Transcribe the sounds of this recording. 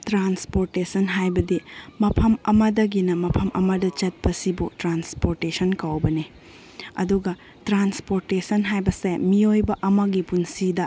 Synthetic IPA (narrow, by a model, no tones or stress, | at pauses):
tɾanspoɾtesɐnɦajbɐdimɐpʰɐmɐmɐdɐɡinɐmɐpʰɐmʔɐ̰mɐdɐt͡ʃɐt̚pɐsibutɾanspoɾtesɐnkɐwbɐni | ɐ̰duɡɐ | tɾanspoɾtesɐnɦajbɐsemiojbɐʔɐmɐɡipunsidɐ